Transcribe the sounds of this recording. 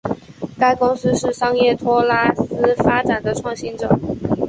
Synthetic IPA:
ka˥ɪkʊ˥ŋsɹ̩˥ʂɻ̩˥˩ʂɑ˥ŋjɛ˥˩t̪ʰwɔ˥la˥˩sɹ̩˥fa˥ʈ͡ʂa˨˩nd̪ə˦ʈ͡ʂʰwɑ˥˩ŋɕi˥nʈ͡ʂɤ˨˩˦

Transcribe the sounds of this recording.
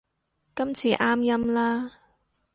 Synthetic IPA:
kɐ˥mt͡sʰiː˨ʔaː˥mjɐ˥mlaː˥

